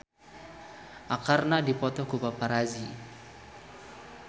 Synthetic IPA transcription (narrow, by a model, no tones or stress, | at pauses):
ʔakarnadipɔt̪ɔkubapaɾazi